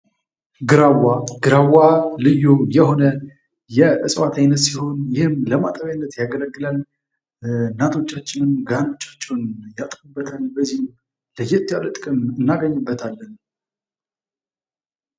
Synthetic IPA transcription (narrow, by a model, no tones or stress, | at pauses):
ɡɨɾawaɡ̥ɨɾawalɨjːujɛho̞nə | jɛʔɨ̰sʼwat̪ʰajnːət̪siho̞njɪhɨmləmat̪ʼəβjajnːət̪jaɡələɡːɨlal | nːat̪ʰo̞t͡ʃːat͡ʃːɪnɨnɡano̞t͡ʃːḁt͡ʃːɛnjat̪ʼfubːət̪ʰalbəzːihm | ləjːɛt̪ʰːjalət̪ʼɨkʼɨmɨnːaɡəɲːɨbːət̪ʰalːən